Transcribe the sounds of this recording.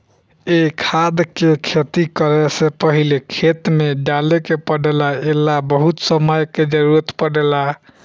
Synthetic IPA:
ekʰad̪kekʰet̪ikəɾesepəɦilekʰet̪meɖalekepəɖelaelabəɦut̪səməjked͡ʒəɾuɾət̪pəɽela

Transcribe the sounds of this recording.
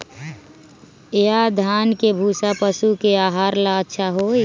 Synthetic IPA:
ead̪ʱankebʱuːsapəsukeaːɦaɾlaətːʃʰaɦoj

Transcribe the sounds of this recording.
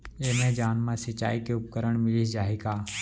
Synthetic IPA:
eːmɛ̃d͡ʒaːnmãsət͡ʃa̰ːikeʊp̚kəɾəɳ̃mɪlid͡ʒaːɦikaː

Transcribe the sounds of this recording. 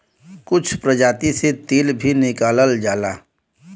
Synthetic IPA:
kʊt͡ʃʰpɾəd͡ʒaːt̪iset̪eːlbʱinɪkaːləld͡ʒaːlaː

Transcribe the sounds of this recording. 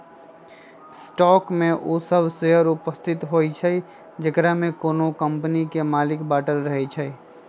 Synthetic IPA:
sʈɔːkmẽʔoːsəbʱseɦəɾʊpəst̪ʰɪt̪ɦoːit͡ʃʰəi | d͡ʒəkɾaɦmẽkoːnokə̃mpnikemaːlɪkbaːʈəɾːəɦet͡ʃʰəi

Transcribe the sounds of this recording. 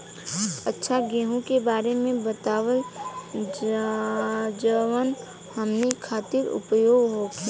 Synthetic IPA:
ətːʃʰaɡẽːɦũkebaːɾemẽbət̪aːwə | d͡ʒəʋən | həmnekʰaːt̪ɪɾʊ̰pjoːɡɦokʰiː

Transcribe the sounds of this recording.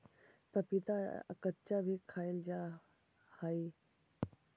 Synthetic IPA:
pɐpit̪a̰kətt͡ɕabʱikʰaːjɪld͡ʑaː | haːiː

